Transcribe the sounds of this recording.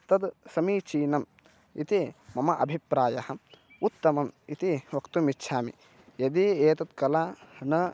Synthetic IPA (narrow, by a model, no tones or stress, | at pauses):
t̪ɐd̪sɐmiːt͡ʃiːnɐm | it̪imɐmɐʔɐ̰bʱipɾaːjɐhɐ | ut̪ːɐmɐmit̪iʋɐkt̪umitːʃʰaːmḭ | jɐd̪ieːt̪ɐt̪kɐlaːnɐ